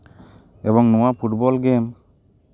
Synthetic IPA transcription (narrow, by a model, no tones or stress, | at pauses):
ɛbɔŋnɔwapʰuʈ̚bɔlɡɛm